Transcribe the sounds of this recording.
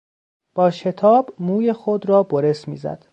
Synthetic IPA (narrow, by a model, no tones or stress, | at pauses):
b̥ɒːʃe̞t̪ʰɒːbmuːjexod̪ɾɒːboɾesmḭːzæ̰d̪̥